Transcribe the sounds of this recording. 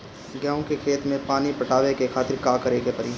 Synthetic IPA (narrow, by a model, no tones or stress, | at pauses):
ɡjãːʊ̃kekʰeːt̪mẽpaːnipɐʈaːʋekekʰaːt̪ɪɾkaːkɐɾeːkepɐɾi